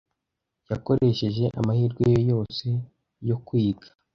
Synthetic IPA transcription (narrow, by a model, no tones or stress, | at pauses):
jako̞ɾʔe̞ʃe̞ʒe̞ʔa̰mahiːɾɡwejojo̞ːse̞ | jo̞kwiːɡḁ